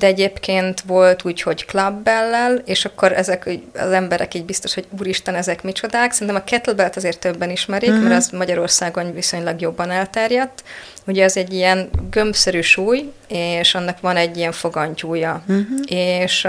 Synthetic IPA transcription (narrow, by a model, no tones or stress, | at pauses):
d̪ɛɛɟeːpkeːnt̪ʋo̞lt̪uːcho̞ɟklɒbːɛlːɛleːʃɒkːoɾɛzɛkːɒ̰zɛmbɛɾɛ̰kiːɟbist̪o̞ʃho̞ɟuːɾiʃt̪ɒnɛzɛkmit͡ʃo̞d̪aːksɛɾint̪ɛmɒkɛt̪lbɛlt̪ɒzeːrt̪ːøbːɛniʃmɛɾikmɛɾɛzmɒɟɒɾo̞rsaːɡo̞nviso̞ɲlɒɡjo̞bːɒnɛlt̪ɛrjɛt̪ːuɟɛɛzɛɟːijɛnɡø̞mbsɛɾyːʃuːj | eːʃɒnːɒkʋɒnɛɟːijɛɱfo̞ɡɒɲcuːjɒeːʃ